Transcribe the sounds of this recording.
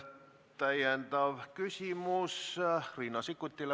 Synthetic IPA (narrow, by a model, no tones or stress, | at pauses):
t̪ːæjænt̪ɑʋkysimusriːnɑsikːut̪ʲːil